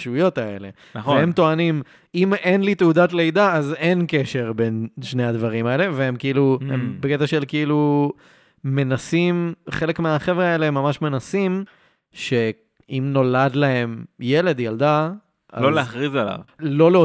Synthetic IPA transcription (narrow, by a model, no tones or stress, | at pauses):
ʃujo̞taele̞̰ | nveemt̪oanim | ime̞nlit̪eudat̪lejd̪aaze̞nke̞ʃe̞ʁbe̞nʃnead̪vaʁimae̞le̞veemkiiluembeket̪aʃe̞lkiilu | me̞nasimχe̞le̞kmeaχe̞vʁeaelemːamaʃme̞nasim | ʃe̞ | imno̞lad̪laɦe̞mje̞le̞d̪jald̪a | ʔa̰loleaχʁizala̰vlo̞leo